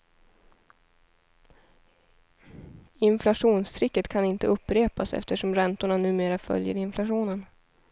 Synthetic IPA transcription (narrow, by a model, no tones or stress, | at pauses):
ɪnflaʂuːnst̪ʰɾɪkːət̪kʰanɪnt̪əɵpːɾeːpasɛ̰ft̪əʂɔmɾɛnt̪ʊɳanʉ̟ːmeːɾafœ̰ljə̰ɾɪnflaɧuːnən